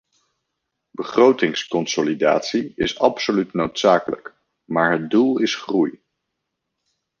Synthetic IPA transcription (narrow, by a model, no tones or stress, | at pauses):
bəχrowtɪŋskɔnsolida̰ːtsiɪsɑpsolytnowtsaːkələ̰k | maːɹɦəd̚dulˠɪsχruj